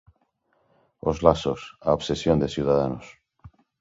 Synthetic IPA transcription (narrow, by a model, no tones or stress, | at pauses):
o̰zlasosaoβsesjond̪esjuð̞aðanos